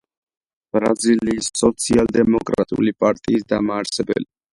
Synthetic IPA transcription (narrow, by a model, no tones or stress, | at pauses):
b̥ɾaziliːsːɔt̪sʰialˠd̪ɛmɔkʼɾat̪ʼṵlipʼaɾt̪ʼiːsd̪amaːɾsɛbɛ̰li